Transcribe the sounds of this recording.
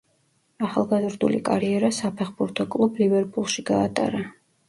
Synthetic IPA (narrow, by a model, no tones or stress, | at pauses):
aχalˠɡazɾd̪ṵlḭkʼaɾiɛɾasapʰɛχbuɾt̪ʰɔkʼlˠublivɛɾpʼulˠʃiɡaːt̪ʼa̰ɾa